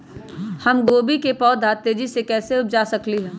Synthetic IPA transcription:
hɐmɡoːbikepɔːd̪ʱaːt̪ed͡ʒisekɛːseʊp̚d͡ʒaːsɐkliɦɛ̃ː

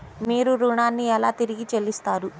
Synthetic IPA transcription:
miːɾuɾuːɳaːnːiɛlaːt̪iɾiɡit͡ʃelːist̪aːɾu

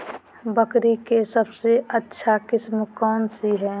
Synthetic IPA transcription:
bəkɾikesəbseətːʃʰakɪsmkɔːnsiɦɛː

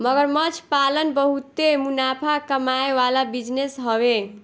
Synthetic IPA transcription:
məɡəɾmət͡ʃʰpalənbəɦut̪emunapʰakəmajewalabid͡ʒnesɦɔβe

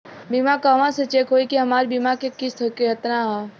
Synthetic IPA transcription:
bimakaːʋãset͡ʃeːkʰɦoːikiɦɐmaːɾbimakekɪst̪okeɦɐt̪naɦaː

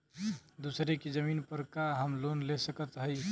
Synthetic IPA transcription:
d̪usɾeked͡ʒəminpəɾkaɦəmlonlesəkət̪ɦəj

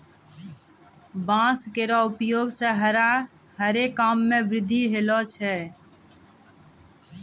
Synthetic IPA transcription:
bãːskeːɾaʊpjoːɡseɦəɾa | həɾeːkːaːmːẽʋɾɪd̪ʱːiɦeloːt͡ʃʰɛ

